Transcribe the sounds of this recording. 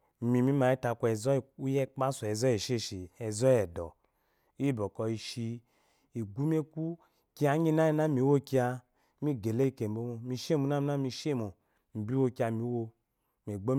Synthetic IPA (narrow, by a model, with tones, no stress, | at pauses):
mi˨mi˦ma˨˦i˦ta˧ku˧˦ɛ˨zɔ˦˨u˦jɛ˦k͡pa˦sɔ˨ɛ˨zɔ˦ɛ˨ʃe˦˨ʃi˨ɛ˨zɔ˦jɛ˨dɔ̰˨ | i˦˨bɔ˨kɔ˨i˧ʃi˧ | i˨ɡu˦m˦e˦ku˦ | ki˦a˨˦ɲi˦na˦i˧˦na˦mi˨˦wo˦ki˦a˧ | mi˦ɡe˨le˦˨ke˨bo˦mo˧˦mi˧ʃe˦˨mu˨˦na˦m˨˦na˦mi˧ʃe˦˨mo˨ | m̩˨bi˦wo˦ki˧˦a˧mi˨˦wo˧ | me˨ɡ͡bo˦